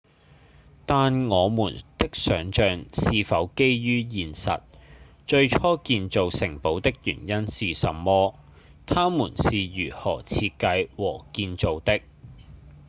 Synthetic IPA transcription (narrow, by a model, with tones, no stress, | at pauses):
t̪aː˨nŋɔː˨˧muː˨˩nt̪ɪ˥k̚sœː˨˥ŋt͡ʃœː˨ŋsiː˨fɐ˨˥wke˥jjyː˥jiː˨nsɐ̰˨t̚ | t͡ʃɵ˧ɥt͡ʃʰɔː˥kiː˧nt͡so˨wsɪ˨˩ŋpo˨˥wt̪ɪ˥k̚jy̰ː˨˩njɐ˥nsiː˨sɐ̰˨˧mːɔː˥ | t̪ʰaː˥muː˨˩nsiː˨jyː˨˩hɔ̰ː˨˩t͡sʰiː˧t̚kɐ˧jwɔː˨˩kiː˧nt͡so˨wt̪ɪ˥k̚